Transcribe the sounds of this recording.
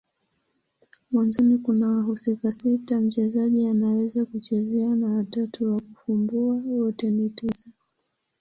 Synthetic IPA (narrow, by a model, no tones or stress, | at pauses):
mwanzɔnikunawaɦusikasitam̩t͡ʃɛzaʄianawɛzakut͡ʃɛzɛanawatatuwakufumbuawɔtɛnitisa